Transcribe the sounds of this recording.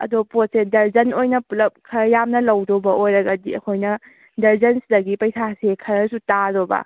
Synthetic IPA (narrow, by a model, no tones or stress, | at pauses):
ɐ̰dopot̚sedɐɾd͡ʒɐnojnɐpulɐp̚kʰɐɾɐjamnɐlɐwdobɐʔojɾɐɡɐdiɐ̰kʰojnɐ | dɐɾzɐnsidɐɡipɐjsasekʰɐɾɐsutadobɐ̰